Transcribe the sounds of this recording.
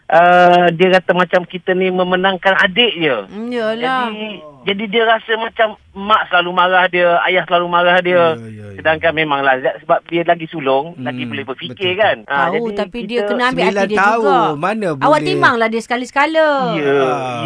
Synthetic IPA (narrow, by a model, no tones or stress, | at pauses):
ʔədiəkat̪amat͡ʃamkit̪ənimə̃mənaŋkanadeʔdəjəld͡ʒaaid͡ʒadidiəɾasəmat͡ʃam | mãʔsəlalumãɾahdiəa̰jahsəlalumaɾahdiəsədaŋkanmemaŋlahdaʔsəbap̚diəlaɡisulʊŋlaɡibolɪbərfikɪrkanəd͡ʒait̪apiidiəkənəambɪʔaddiəuɡamanəawaʔt̪imaŋlahdiəsə̥kalisə̥kaləjə